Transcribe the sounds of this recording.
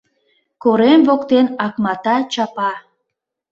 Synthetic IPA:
koɾemvokt̪enɑkmɑt̪ɑt͡ɕɑpɑ

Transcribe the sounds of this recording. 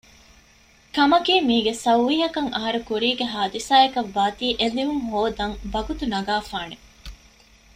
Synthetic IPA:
kɐmɐkiːmiːɡesɐwʋiːɦɐkɐŋɐɦɐɾukuɾiːɡeɦaːd̪isaːekɐʋːaːt̪iːʔeliʋuŋɦoːd̪ɐŋbɐɡut̪unɐɡaːfaːne

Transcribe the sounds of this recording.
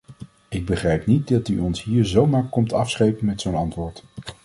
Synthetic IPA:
ɪɡ̚bəχrɛjpnit̚dɑtyɔnsɦiːɹzowmaːɹkɔmtɑfsχejpənmɛtsownɑntʋʊːɹt

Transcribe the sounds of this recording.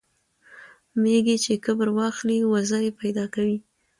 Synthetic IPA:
meɡet͡ʃekəbəɾwɑxliwazajepajd̪ɑkawi

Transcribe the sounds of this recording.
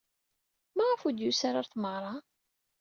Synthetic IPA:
mæʁəfud̪jusaɾaɾθməʁɾˤɑ

